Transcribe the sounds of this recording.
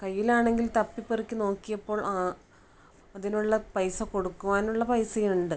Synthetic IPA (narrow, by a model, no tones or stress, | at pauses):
kɐjːilaːɳe̞ŋɡilt̪ɐpːipːerikʲːɨno̞ːkːijɐpːo̞ːɭʔaː | ɐðinuɭːɐpɐjsɐko̞ɽukːuʋaːnuɭːɐpɐjsɐjiuɳɖɨ